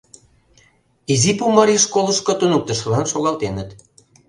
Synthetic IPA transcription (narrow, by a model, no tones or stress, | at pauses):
izipumɑɾiʃkolə̆ʃkŏt̪unuk̚t̪ə̆ʃ̆lɑnʃoɣɑlt̪enə̆t̪